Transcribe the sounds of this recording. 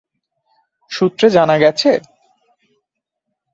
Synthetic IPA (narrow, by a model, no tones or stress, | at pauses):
ʃut̪ːɾed͡ʑanaɡɛt͡ɕʰe